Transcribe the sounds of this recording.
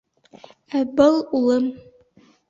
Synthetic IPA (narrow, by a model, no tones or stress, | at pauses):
æbɤlˠulˠɤm